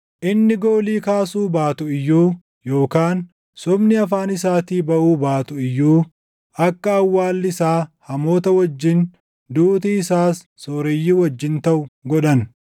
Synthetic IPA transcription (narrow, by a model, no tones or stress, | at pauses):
ʔɪnːɪɡoːliːkaːsuːbaːt̪ʊɪjːuː | jo̞ːkaːn | sʊbnɪɐf̬aːnɪsaːt̪iːbɐʔuːbaːt̪ʊɪjːuː | ɐkːɐːwːaːlːɪsaːhɐmo̞ːt̪ɐwɐd͡ʒːɪn | d̪uːt̪iɪsaːsːoːɾɛjːɪwɐd͡ʒːɪnt̪ɐʔʊɡɔᶑɐn